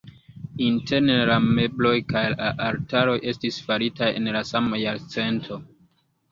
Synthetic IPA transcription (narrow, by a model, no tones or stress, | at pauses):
inte̞ɾnelame̞blo̞jkajlaʔaɾtaɾo̞jʔe̞stisfaɾitaje̞̰nlasamajaɾt͡se̞ntʰo̞